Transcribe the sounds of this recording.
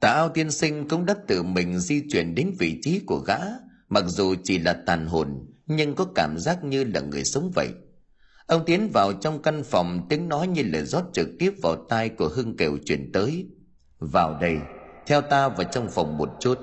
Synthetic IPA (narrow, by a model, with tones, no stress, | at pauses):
t̪a̰ː˧˨˩ʔaː˧wt̪i˧ənsï˧ŋ̟kʊ̰˧˥ŋ͡mɗə˦˥t̚t̪ɨ˨˩mï˨˩ŋ̟zi˧t͡ɕwḭ˧˩ənɗe˨˦ŋvḭ˧˨t͡ɕi˨˦ku˧˩əɣa̰ː˧˥ | ma˨˩k̚zu˨˩t͡ɕi˧˩laː˨˩t̪aː˨˩nɦo˨˩nɲɨ˧ŋkɔ˨˦kaː˧˩mzaː˦˥k̚ɲɨ˧la̰ː˨˩ŋɨ˨˩əjsə˨˦wŋ͡mvə̰˧˨jʔ | ʔə˧wŋ͡mt̪i˨˦ənvaː˨˩wt͡ɕɔ˧wŋ͡mka˧nfɔ˨˩wŋ͡mt̪i˨˦əŋnɔ˨˦jɲɨ˧ləː˨˩jzɔ˦˥t̚t͡ɕɨ˨˩k̚t̪i˦˥əp̚vaː˨˩wt̪aː˧jku˧˩əɦɨ˧əŋke˨˩wt͡ɕwḭ˧˩ənt̪əː˨˦j | vaː˨˩wɗə˧˩jt̪ʰɛ˧wt̪aː˧vaː˨˩t͡ɕɔ˧wŋ͡mfɔ˨˩wŋ͡mmo˨˩t̚t͡ɕu˦˥t̚